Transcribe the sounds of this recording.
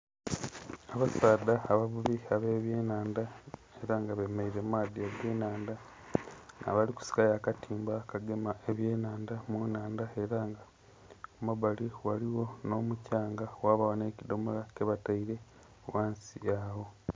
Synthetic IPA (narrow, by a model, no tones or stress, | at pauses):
aβasaːd̪aːβaβuβiaβe̞ːβjeːnaːnda | e̞ɾaŋɡaβemaiɾemaːðiaɡe̞ːnaːnda | na̰βaliku̥si̥kajaːkatʰiːmbakaɡemaeβje̞ːnaːndamunaːndae̞ɾaːŋɡa | omaβaliwaliwo̞no̞mucaːŋɡawaːβawone̞ːcido̞molakeβataiɾe̞ | waːnsiaβo̞